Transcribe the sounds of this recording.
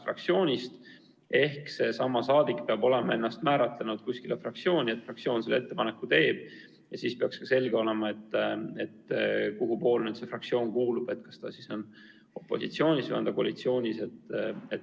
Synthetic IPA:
frɑ̰kt̪sio̞ːnʲist̪ | e̞hkse̞sɑmːɑsɑːd̪ikpeɑbo̞le̞mɑe̞nːɑst̪mæːɾɑt̪lenud̪̥kusʲkilefrɑk̚t̪sjo̞ːnʲie̞t̪ːfrɑk̚sjo̞ːnselet̪ːe̞pɑne̞kːut̪e̞ːb̥ | jɑsiːspe̞ɑkskɑse̞lɡ̥eo̞le̞mɑe̞t̪ːe̞t̪koɡupo̞ːlnyd̪̥se̞frɑkt̪sio̞ːnkuːlub̥e̞t̪ːkɑ̥st̪ɑsiso̞n | o̞pːˑo̞̰sḭt̪sio̞ːnʲisɑnd̪̥ɑkoɑ̰lit̪sio̞ːnʲise̞t̪ːet̪

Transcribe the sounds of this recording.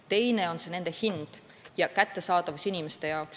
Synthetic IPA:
t̪e̞jne̞o̞nse̞ne̞nd̪̥e̞hind̪̥ | jɑkæt̪ːˑe̞sɑːt̪ɑvusinime̞st̪e̞jɑoks

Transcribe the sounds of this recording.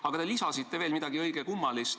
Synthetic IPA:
ɑɡ̥ɑt̪e̞lisɑsit̪ːe̞ve̞ːlmid̪̥ɑɡ̥iɤ̞jɡ̥ekumːɑlist̪

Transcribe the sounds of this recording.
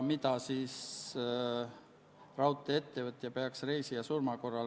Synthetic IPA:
mit̪ɑsiːs | rɑwt̪ːˑeet̪ːevət̪ːˑjɑpeɑksre̞jsiɑsurmɑko̞rːɑl

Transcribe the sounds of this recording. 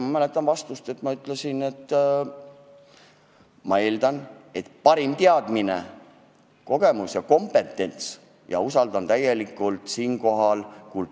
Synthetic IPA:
mɑmælet̪ːˑɑnvɑst̪ust̪e̞t̪ːˑmɑyt̪ːˑlesine̞t̪ː | mɑe̞ːld̪̥ɑne̞t̪pɑɾimt̪eɑd̪̥minḛ | ko̞ɡ̥e̞musjɑko̞mpe̞t̪ːˑe̞nt̪s | jɑ̰usɑld̪̥ɑnt̪æje̞likːˑult̪siːnko̞ɦɑlkul

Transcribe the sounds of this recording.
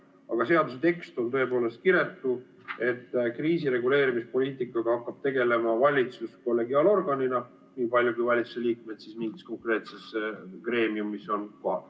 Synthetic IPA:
ɑɡ̥ɑse̞ɑd̪uset̪e̞kst̪o̞nt̪ø̞e̞po̞ːle̞st̪̚kiɾe̞t̪ːˑu | e̞t̪ːkriːsiɾe̞ɡule̞ːɾimispo̞liːt̪ˑikːˑɑɡ̥ɑhɑkːɑb̥̚t̪e̞ɡe̞le̞mɑvɑlʲit̪susko̞lːe̞ɡiɑːlo̞rɡɑninɑ | niːpɑlʲjukujvɑlʲit̪su̥se̞lʲiːk̚me̞t̪sismiŋɡisko̞ŋkre̞ːt̪se̞skre̞ːmiumːiso̞nkoɑ̰

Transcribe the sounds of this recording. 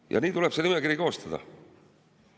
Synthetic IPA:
jʔɑ̰niːt̪ule̥senimekiɾiko̞ːst̪ɑd̪̥ɑ̰

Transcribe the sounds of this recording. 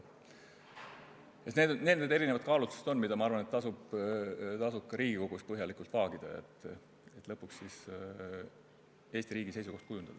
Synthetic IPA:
jesned̪nend̪ed̪e̞ɾinevɑt̪̚kɑːlut̪ːˑu̥se̥t̪o̞nːmid̪̥ɑmɑɑɾvɑnet̪ːɑsub | t̪ɑsupkɑɾiːɡ̥iko̞ɡ̥us̚pɤɦjɑlikult̪vɑːɡ̥id̪̥ɑ̰ḛt̪ː | et̪ːˑlɤpːˑukssis | e̞ːst̪iɾiːɡ̥ise̞jsuko̞ht̪kujund̪̥ɑd̪̥

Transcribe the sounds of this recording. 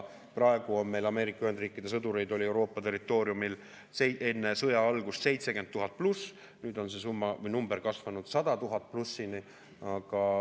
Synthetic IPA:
prɑe̞ɡ̥uo̞nme̞jlɑme̞ːɾikɑyhe̞nd̪riːkːˑid̪̥e̞s̬ɤd̪uɾe̞jd̪o̞lʲie̞wɾo̞ːpːˑɑt̪e̞rːˑit̪ːˑo̞ːɾjumil | see̞nːe̞sɤjɑɑlɡ̥ust̪se̞jt̪se̞kenːuɦɑt̪̚plus | nyːd̪o̞nse̞s̬umːɑvɤjnumbe̞ɾkɑsvɑnud̪̥sɑd̪̥ɑt̪uɦɑt̪̚plusːini | ɑɡ̥ɑ

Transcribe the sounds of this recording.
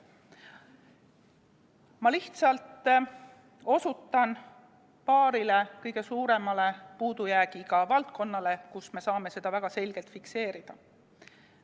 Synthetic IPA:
mɑliht̪sɑlt̪ːˑ | o̞sut̪ˑːɑn | pɑːɾile̞kɤjɡ̥e̞suːɾe̞mɑle̞puːd̪ujæːɡ̥ikɑvɑlt̪̚ko̞nːɑle̞kusme̞sɑːme̞se̞d̪̥ɑvæɡ̥ɑse̞lʲɡ̥elt̪fikse̞ːɾid̪̥ɑ

